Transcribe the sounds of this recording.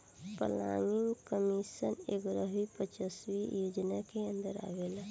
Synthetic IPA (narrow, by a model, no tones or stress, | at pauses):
pə̰la̰ŋiŋɡkəmisənḛɡɾəʋipət͡ʃəswijod͡ʒnakeə̃nd̪əɾa̰ʋel